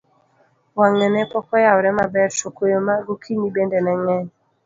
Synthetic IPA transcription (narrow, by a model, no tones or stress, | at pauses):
waŋɛnɛpɔkɔjaɔɾɛmabɛɾt͡ʃokojomaɡukʰinibendɛnɛŋɛɲ